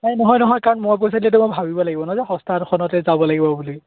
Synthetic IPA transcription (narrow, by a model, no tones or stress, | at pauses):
najnɔɦɔjnɔɦɔjkaɹɔnmoɹp̬ojs̬adilɛt̬ɛmojbʱabibɔlaɡibɔnɔzaxɔstʰatkʰɔnɔtɛzabɔlaɡibɔbuli